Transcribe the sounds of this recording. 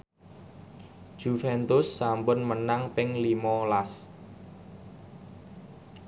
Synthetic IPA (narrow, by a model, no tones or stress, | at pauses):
ʒ̥ufɛnt̪ʊsːampʊnmənaŋpɪŋlimɔlas